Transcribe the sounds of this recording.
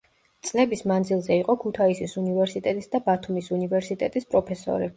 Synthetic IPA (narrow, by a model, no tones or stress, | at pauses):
t̪sʼlɛbismand̪zilˠzɛiqʼɔkʰut̪ʰaisisunivɛɾsit̪ʼɛt̪ʼisd̪abat̪ʰumisunivɛɾsit̪ʼɛt̪ʼispʼɾɔpʰɛsɔ̰ɾi